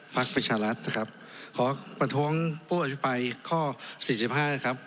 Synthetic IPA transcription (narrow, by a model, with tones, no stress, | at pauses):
pʰa˦˥k̚pɾa˧t͡ɕʰaː˧ɾa˦˥t̪̚na˦˥˩kʰa˦˥p̚ | kʰɔː˩˦pɾa˧t̪ʰu˦˥əŋpʰuː˥˩ʔa˧tpʰi˦˥pa˧jkʰɔː˥˩siː˨˩si˨˩p̚ɦaː˥˩na˦˥˩kʰa˦˥p̚